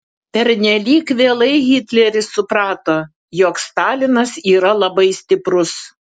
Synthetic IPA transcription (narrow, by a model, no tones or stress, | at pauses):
pʲɛɾʲnʲɛlʲiːkʋʲeːlˠɐɪɣʲɪt̪ʲlʲɛɾʲɪsʊpɾɑːt̪oː | joːkst̪ɑːlʲɪnɐsiːɾɐlˠɐbɐɪsʲt̪ʲɪpɾʊs